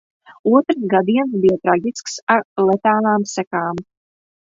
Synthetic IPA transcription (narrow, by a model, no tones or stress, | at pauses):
uɔt̪ɾs̬ɡad̪iɛns̬bijat̪ɾaɡʲisksaɾlˠɛt̪aːlˠaːmsækaːm